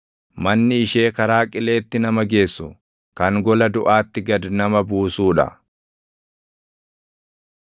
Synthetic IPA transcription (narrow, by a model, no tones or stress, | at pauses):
mɐnːɪɪʃe̞ːkɐɾaːkʼɪle̞ːt̪ːɪnɐmɐɡe̞ːsːʊ | kɐŋɡɔlɐd̪ʊʔaːt̪ːɪɡɐd̪nɐmɐbuːsuːᶑɐ̰